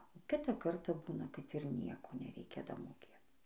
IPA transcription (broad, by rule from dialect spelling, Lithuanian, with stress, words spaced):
oː ˈkʲɪtɑː ˈkɐrtɑː ˈbuːnɐ kɐt ɪr ˈnʲiɛkoː nʲɛˈrʲɛɪkʲɛ dɐmoːˈkʲeːt͡s